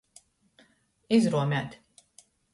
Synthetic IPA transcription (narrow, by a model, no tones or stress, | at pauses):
izɾuɔmʲæːt̪ʲ